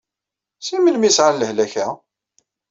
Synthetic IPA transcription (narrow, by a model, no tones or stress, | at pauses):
simənmisʕalːəhlæçæ